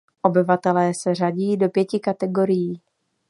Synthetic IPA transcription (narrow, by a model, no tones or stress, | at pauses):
ʔo̞bɪvat̪ɛlɛːsɛr̝aɟiːdo̞pjɛcɪkat̪ɛɡo̞ɾɪjiː